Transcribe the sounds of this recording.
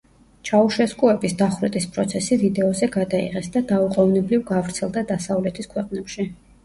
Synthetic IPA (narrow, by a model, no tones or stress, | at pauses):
t͡ʃʰauʃɛskʼuɛbisd̪aχɾɛt̪ʼispʼɾɔt̪sʰɛsivid̪ɛɔzɛɡad̪aḭʁɛsd̪ad̪auqʼɔvnɛblivɡavɾt̪sʰɛlˠd̪ad̪asavlɛt̪ʰiskʰwɛqʼnɛpʃi